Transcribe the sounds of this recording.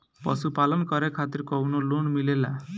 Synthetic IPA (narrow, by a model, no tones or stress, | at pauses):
pʌsupalʌnkʌɾekʰat̪iɾkɔwnolonmilela